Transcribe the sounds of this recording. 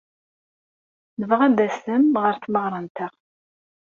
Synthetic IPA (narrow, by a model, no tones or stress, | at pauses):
nəvʁæd̪æsəmʁəɾθməʁɾˤɑnt̪əʁ